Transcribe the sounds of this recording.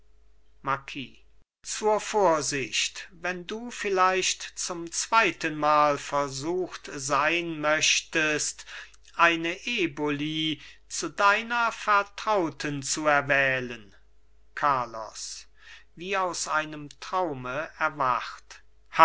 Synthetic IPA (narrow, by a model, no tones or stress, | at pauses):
makʰiː | t͡suːɐfoːɐzɪʃtvɛnduːfɪlaɪʃtt͡sʊmt͡sv̥aɪtənmaːlfɛɐzuːxtzaɪnmœɕtəst | ʔaɪnəʔeːboliːt͡sudaɪnɐfɛɐtʁ̥aʊtʰənt͡suɛɐvɛːlən | kʰaɐlɔ̰s | viːaʊsʔaɪnəmtʁ̥aʊməɛɐvaχt | h